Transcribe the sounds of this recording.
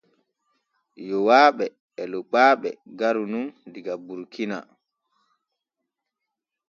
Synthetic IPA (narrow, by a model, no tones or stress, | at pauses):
jɔwaːɓɛ | ɛlɔɡ͡baːɓɛ̰ɡaɾunundiɡabuɾkʰina̰